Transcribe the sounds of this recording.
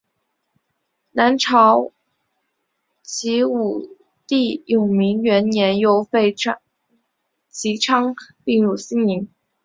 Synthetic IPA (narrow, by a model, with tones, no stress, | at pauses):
na˧˥nʈ͡ʂʰɑ˧˥ʊ | t͡ɕʰi˧˥u˨˩ | t̪i˥˩jo˨˩mi˧˥ŋɥɛ˧˥nnjɛ˧˥njo˥ʊfe˥˩ɪʈ͡ʂʰ | t͡ɕʰi˧˥ʈ͡ʂʰɑ˥ŋpi˥˧ŋɻu˥˩ɕi˥ni˧˥ŋ